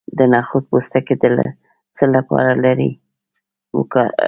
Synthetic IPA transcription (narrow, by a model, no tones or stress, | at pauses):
d̪ənɑxʊt̪̚post̪aked̪əl̰ | t͡səlapɑ̰ɾalaɾḭ | wʊ̰kɑ